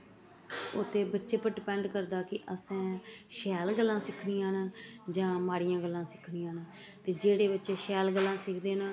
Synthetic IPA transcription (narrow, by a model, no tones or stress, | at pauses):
ʊ̰t̪ʰːeːbətːʃeːpəʈpɛːɳɖkəɾd̪aːkɪʔəsɛ̃ːʃɛːlɡəlːãːsɪkʰniːãːnaːd͡ʒãːmaːɽijãːɡəlːãːsɪkʰniːãːnaː | t̪eːd͡ʒeːɽeːbətːʃeːʃɛːlɡəlːãːsɪkʰd̪eːnaː